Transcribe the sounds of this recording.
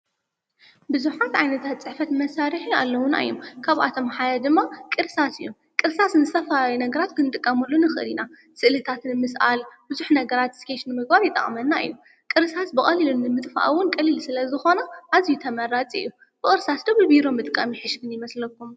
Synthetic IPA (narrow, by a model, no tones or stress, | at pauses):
bɨzuħat̪ʕajnɐt̪ʰat̪̚t͡sʼɨħfɐt̪mɐsaɾiħia̰lːɐwʊna̰jːomkʰaβʔa̰t̪ʰo̞mħad̪ɐd̪ɨmːakʼɨɾsasɨjːom | kʼɨɾsasnɨst̪ʰɐfajnɐɡɐɾat̪kʰɨnɨt̪ʼɨkʼːɐmɐlːonɨxɨʔɨ̰lina | sɨʔlɨt̪ʰat̪nɨmɨsʔa̰lb̥ɨzuħnɐɡɐɾat̪skʰeʃnɨmɨɡ̚baɾjɪt̪ʼːɐ̰χʼmɐnːaɨ̰jːu | kʼɨɾsasbɨχʼɐlilunːɨmɨt̪ʼfa̰ʔwʊnkʼɐlːilsɨlɐzɨxo̞nɐʔazijut̪ʰɐmɐɾat͡sʼiɨ̰jːu | b̥ɨxʼɨɾsasd̪ɐβlbiɾo̞mːɨt̪ʼɨkʼːamiħɨʃɡɨnjɪmɐslɐkʰːum